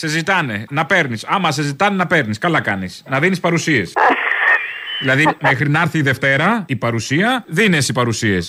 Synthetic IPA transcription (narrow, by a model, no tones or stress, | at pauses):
sezit̪ɐne̞nɐpe̞ɾnisɐmɐsezit̪ɐnenɐpe̞ɾniskɐlɐkɐnisnɐðinispɐɾusie̞s | ðilɐðimexɾinɐɐɾθiːðe̞ft̪e̞ɾɐipɐɾusiɐðinesipɐɾusie̞s